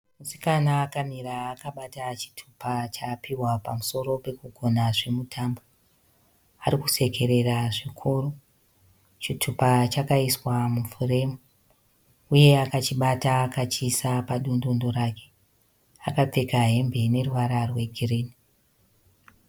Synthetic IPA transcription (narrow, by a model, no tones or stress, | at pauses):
musi̥kanaːkamiɾaːkaɓatat͡ʃi̥tʰu̥pat͡ʃapiwapamuso̞ɾo̞pe̞kuɡʱo̞naʐe̞mutʰaːmbo | aɾikuse̞ke̞ɾe̞raʐikʰuru | t͡ʃitʰupat͡ʃakaiswamufuremu | uje̞akat͡ʃiɓataːkat͡ʃisapaɗondondo̞ɾake̞̥ | a̰kap͡fe̞kaɦe̞mbene̞ruwaɾarwe̞ɡʱiriːni